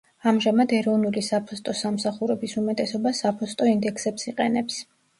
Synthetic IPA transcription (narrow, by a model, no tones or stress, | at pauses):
amʒamad̪ɛɾɔvnulisapʰɔst̪ʼɔsamsaχuɾɛbisumɛt̪ʼɛsɔbasapʰɔst̪ʼɔind̪ɛkʰsɛpsiqʼɛnɛps